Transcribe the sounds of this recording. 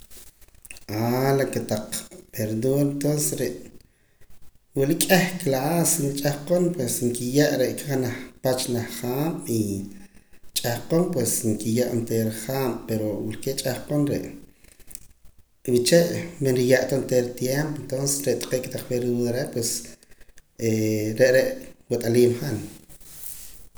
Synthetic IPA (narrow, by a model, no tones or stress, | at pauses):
alaket̪aq͡χpeɾd̪uɾent̪onsesɾeʔ | wilikʼehklaʔasinit͡ʃʼahqonpwesŋkijaʔɾeʔkaχnaχpat͡ʃlaχχaːɓi | t͡ʃʼahqonpwesŋkijaʔnt̪eːɾχaːmpeɾowilket͡ʃʼahqonɾḛʔ | wit͡ʃeʔmenɾijaʔt̪ont̪eɾt̪jempoent̪onsesɾeʔt̪ʼqeːkt̪aq͡χweɾiwuðaɾeʔpwes | eɾeʔɾeʔwet̪ʼaliːmχan